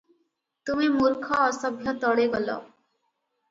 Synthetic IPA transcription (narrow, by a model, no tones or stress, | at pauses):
t̪umimuɾkʰɔːsɔbʱjɔt̪ɔɽeɡɔlɔ̰